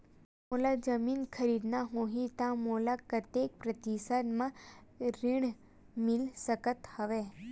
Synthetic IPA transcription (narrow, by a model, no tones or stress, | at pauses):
molad͡ʒəminkʰəɾid̪naɦõɦit̪ãmolakət̪jek̚pɾət̪isəd̪mãɾiɳ̃ | milsəkət̪həʋe